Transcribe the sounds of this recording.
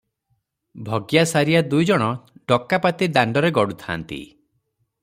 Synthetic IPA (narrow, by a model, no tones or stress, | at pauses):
bʱɔɡjasaɾijad̪ujd͡ʒɔɽ̃ɔɖɔkːapat̪id̪aɳɖɔɾeɡɔɽut̪ʰa̰nt̪ḭ